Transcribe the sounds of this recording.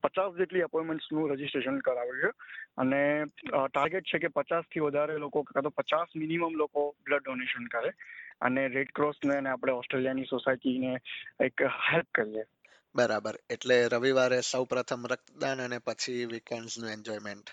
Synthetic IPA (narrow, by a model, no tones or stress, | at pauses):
pət͡ʃasd͡ʒeʈliəpɔjmeɳʈsnũɾəd͡ʒisʈɾeʃənkəɾaʋɭʃeə̰neʈaɾɡeʈ̚t͡ʃʰekepət͡ʃast̪ʰiʋəd̪ʱaɾelokokkat̪opət͡ʃasminiməmlokobləɖːoneʃənkəɾeə̰neɾeɖkɾosneəneapɽ̃eɔsʈɾelijanisosaiʈineekhelp̚kəɾie | bəɾabəɾeʈleɾəʋiʋaɾesəwpɾət̪ʰəmɾək̚t̪d̪anənepət͡ʃʰiʋikeɳɖsnũẽɲd͡ʒɔimeɳʈ